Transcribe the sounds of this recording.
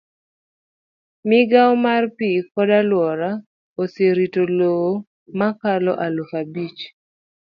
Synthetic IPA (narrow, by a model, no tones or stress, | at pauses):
mɪɡaɔmarpikɔdalwɔɾa | oseɾitoloo | makalɔ̰ʔalufabit͡ʃ